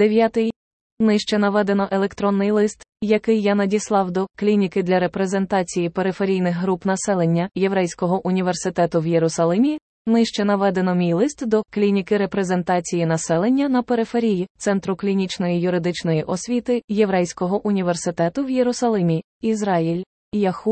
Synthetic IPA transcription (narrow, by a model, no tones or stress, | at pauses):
d̪̥eʋʲjat̪ɪj | nɪʃt͡ʃɛnɐʋɛd̪e̞nɔʔelˠe̞kt̪ɾɔnːɪjlˠɪst̪jɐkɪjːanɐdʲislˠɑwd̪ɔklʲinʲikɪd̪lʲɐɾe̞pɾe̞ze̞nt̪ɑt͡sʲijipeɾɪfeɾʲijnɪxɦɾupnɐsɛlˠenʲːɐjeʋɾɛjsʲkɔɦɔʔʊnʲiʋe̞rsɪt̪ɛt̪ʊwjeɾʊsɐlˠɪmʲi | nɪʃt͡ʃɛnɐʋɛd̪e̞nɔmʲijlˠɪst̪d̪ɔklʲinʲikɪɾepɾe̞ze̞nt̪ɑt͡sʲijinɐsɛlˠenʲːɐnɐpeɾɪfeɾʲijit̪sɛnt̪ɾʊklʲinʲit͡ʃnɔjijʊɾɪd̪ɪt͡ʃnɔjiʔɔsʲʋʲit̪ɪjeʋɾɛjsʲkɔɦɔʔʊnʲiʋersɪt̪ɛt̪ʊwjeɾʊsɐlˠɪmʲi | izɾɑjilʲ | jɐxu